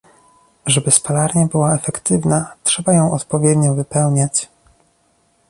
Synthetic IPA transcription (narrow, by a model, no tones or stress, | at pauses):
ʐɛbɘspalaɾɲabɘwaɛfɛkt̪ɘvnatʂɛbajɔ̃w̃ʔɔt̪pɔvʲjɛd̪ɲɔvɘpɛwɲat͡ɕ